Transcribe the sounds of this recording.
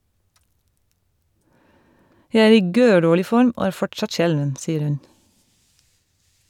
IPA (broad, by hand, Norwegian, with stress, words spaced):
ˈjæɪ ˈæːɾ ˈiː ˈɡøːˌɖoːɭɪ ˈfɔɾm ˈoː ˈæːɹ ˈfɔʈˌsɑt ˈʃɛlʋən ˈsiːəɾ ˈhʉn